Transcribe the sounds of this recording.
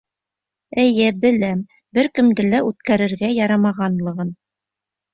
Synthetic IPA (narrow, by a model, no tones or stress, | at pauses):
ɘ̆jɘbɘ̆læm | bɘɾkɘ̆md̪ɘlæʉt̪kæɾɘ̆ɾɡæjɑɾɑmɑʁɑnlˠɤ̆ʁɤn